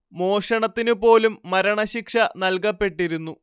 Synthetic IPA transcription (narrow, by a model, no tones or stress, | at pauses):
mo̞ːʂɐɳɐt̪ːinupo̞ːlumːɐɾɐɳɐɕikʂɐnɐlkɐpːe̞ʈːiɾunːu